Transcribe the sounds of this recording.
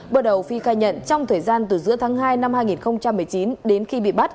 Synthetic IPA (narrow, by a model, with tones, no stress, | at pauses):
ɓəː˧˩ɗə˨˩wfi˨˧˩xaː˧˩jɲə̰˧˨nt͡ɕɔ˧wŋ͡mt̪ʰəː˨˩jzaː˧nt̪ɨ˨˩zɨ̰˧˥ət̪ʰaː˨˦ŋɦaː˧jna˧mhaː˧jŋi˨˩nxə˧wŋ͡mt͡ɕa˧mːɨ˨˩əjt͡ɕi˨˦nɗe˨˦nxi˧ɓḭ˧˨ɓa˦˥t̚